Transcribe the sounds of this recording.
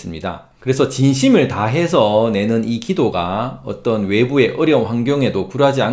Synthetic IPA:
s͈ɯmɲida̰ | kɯɾe̞sʰʌt͡ɕinɕʰimɯɭtaɦe̞sʰʌne̞nɯnikidoɡaʌ̰t͈ʌnwe̞bue̞ʔɯɾjʌnɸwaŋɡjʌŋɦe̞dopuɾad͡ʑian

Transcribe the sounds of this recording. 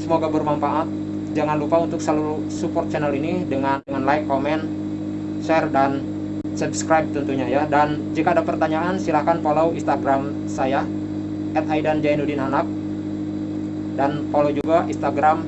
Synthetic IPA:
səmoɡabərmamfaʔat̪̚ | d͡ʒaŋanlupaunt̪ʊk̚səluɾu | supɔrt̪̚t͡ʃɛnalinidəŋanəŋanlaikːomɛn | ʃɛrdan | sɛbskɾajb̚t̪ənt̪uɲajadan | d͡ʒikaːdapərt̪aɲaʔansilahkanpolawinst̪aɡɾam | saja | ʔɛt̪ajdand͡ʒainudinanak̚ | danpolowd͡ʒuɡainst̪aɡɾam

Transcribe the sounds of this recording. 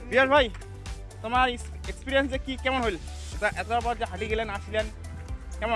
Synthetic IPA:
biasbʱaj | t̪omaɾ | ekspiɾijensd͡ʒekikɛmɔnɦojl | t̪aʔɛt̪aɾpɔɾd͡ʒeɦaliɡelenasilen | kɛmɔ

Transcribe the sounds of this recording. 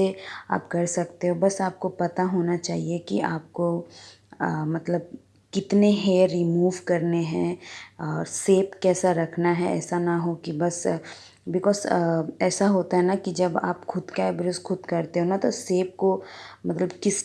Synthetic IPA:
ea̰ːpkɐɾsɐkt̪eɦobɐsaːp̚kopɐt̪aɦoːnat͡ʃaːɦiekiaːp̚ko | mɐt̪ləb̚ | kɪt̪neɦeɾɾimuːʋkɐɾneɦɛ̃ɔːɾseːpkɛːsaɾɐkʰnaɦɛɛ̰ːsanaɦokibɐs | bɪkɔːzɛːsaɦoːt̪aɦɛnakid͡ʒɐbaːpxʰʊd̪kaɦɛbɪɾoskʰʊd̪kɐɾt̪eɦonat̪oseːp̚komɐt̪ləbkɪs

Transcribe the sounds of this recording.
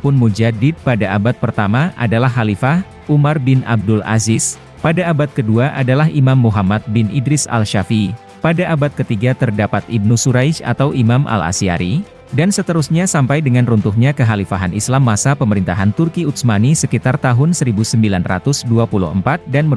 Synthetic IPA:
pʊnmud͡ʒadɪd̚padaʔabat̪̚pərt̪amaʔa̰dalaɦɦalifah | umarbɪna̰b̚dʊla̰zɪs | padaːbat̪̚kəduaʔadalaɦimamːuɦamat̪̚bɪnʔidɾɪsa̰lʃafi | padaʔːbat̪̚kət̪iɡat̪ərdapat̪ib̚nusuɾajt͡ʃa̰t̪awʔimamʔa̰la̰sia̰ɾi | dansət̪əɾusɲasampajdəŋanrunt̪ʊhɲakəɦalifaɦanislamːasapəməɾint̪aɦant̪ʊrkiut̪smanisəkit̪art̪aɦʊnsəɾibusəmbilanra̰t̪ʊsduapulṵhəmpat̪̚danmə

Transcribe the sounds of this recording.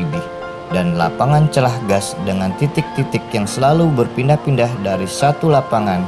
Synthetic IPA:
ibɪh | danla̰paŋant͡ʃəlahɡasdəŋant̪it̪ɪk̚t̪it̪ɪkjaŋsəlalubərpindahpindahdaɾisat̪ulapaŋan

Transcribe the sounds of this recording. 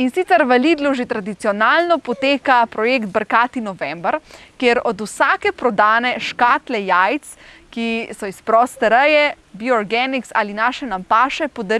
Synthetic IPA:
insit̪sɛɾʋɐliːd̪lɔʒit̪ɾad̪it̪sijɔnaːlnɔpɔt̪eːkapɾɔjeːkt̪̚bəɾkaːt̪inɔʋɛmbəɾkjeɾɔd̪usaːkɛpɾɔd̪aːnɛʃkaːt̪lɛjajt̪s | kisɔispɾɔːst̪ɛɾəjɛ | bjɔɔɾɡɛniksa̰ːlinaːʃɛnampaːʃɛpod̪aɾ

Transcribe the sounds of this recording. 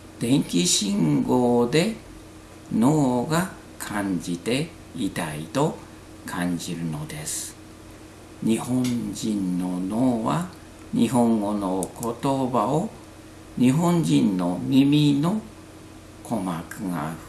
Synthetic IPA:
d̪̥ẽ̞ŋkʲiɕĩŋɡoːd̪e̞ | noːɡa | kʰãɲd͡ʑit̪e̞ | it̪ait̪o̞ | kʰãɲ̟d͡ʑiɾɯ̟no̞d̪e̞sɨ̥ɨ̥ | ɲihõ̞ɲd͡ʑĩnːo̞noːβa | ɲiɦõ̞ŋɡo̞noko̞t̪o̞bao | ɲ̟iɦõ̞ɲd͡ʑĩnːo̞mʲimʲino | kʰomakɯ̟ŋa̰

